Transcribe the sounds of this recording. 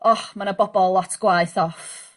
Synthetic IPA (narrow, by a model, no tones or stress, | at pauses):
ɔħmanəbɔbɔlˠːɔtʰɡ̥wajθɔf